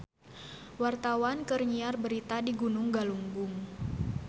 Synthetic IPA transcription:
wart̪awankərɲiarbəɾit̪adiɡunʊŋɡaluŋɡʊŋ

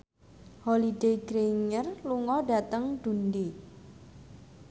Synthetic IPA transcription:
holideɡɾeŋərluŋɔɖa̤t̪əŋɖ̪̥unde

